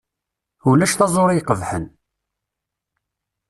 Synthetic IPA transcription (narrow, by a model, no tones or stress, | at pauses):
ulæʃθɑzˤoɾˤijqəvħən